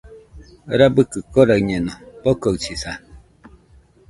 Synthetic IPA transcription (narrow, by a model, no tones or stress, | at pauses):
ɾabɯkɯkoɾaɰɲenopokoɰt͡ʃisa